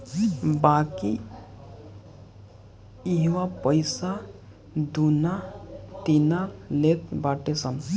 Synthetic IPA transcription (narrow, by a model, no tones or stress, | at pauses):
baki | iɦwapəjsa | d̪unat̪inalet̪baʈesən